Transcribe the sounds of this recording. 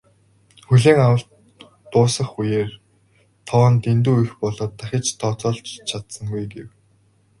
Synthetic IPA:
xuɮeːŋawə̆ɬt̪ː | ʊːsə̆χujeːr | t̪ʰɔw̆nt̪ent̪uːixpɔɮɔːt̪ːaxʲɪ̆t͡ɕt̪ʰɔːt͡sɔːɮt͡ɕt͡ɕʰat̪sə̆ŋɡujɡew

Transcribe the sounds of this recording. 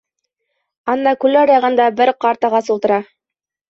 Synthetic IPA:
ɑnːɑkʉlæɾɑʁɑ̆nd̪ɑbɘɾqɑɾt̪ɑʁɑsult̪ɤ̆ɾɑ

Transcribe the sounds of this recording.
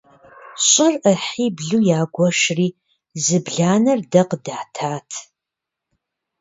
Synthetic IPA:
ɕʼɪrəħiːbɮuːjaːɡʷɔʃriː | zɨbɮaːnɐrdɐqdaːtʰaːtʰ

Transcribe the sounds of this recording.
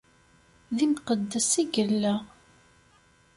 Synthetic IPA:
ðimqəd̪ːəsiɡəlːəʁ

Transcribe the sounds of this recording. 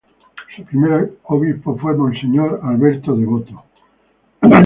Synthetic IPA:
supɾimeɾoβispofwemõnseɲoɾalβeɾt̪oðeβot̪o

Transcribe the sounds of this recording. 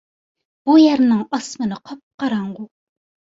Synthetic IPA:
b̥ujæɾnɪŋɑsmɨnɨqʰɑp̚qɑɾɑɴʁʊ

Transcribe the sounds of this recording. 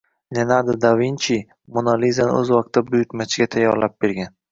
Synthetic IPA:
nʲenad̪ad̪avinʲt͡ʃʰi | monalizanɪ̰ɵzwɒq̚t̪ːabʊjʊt̪mat͡ʃʰɪɡʲat̪ʰajːɒɾlap̚b̥eɾɡʲan

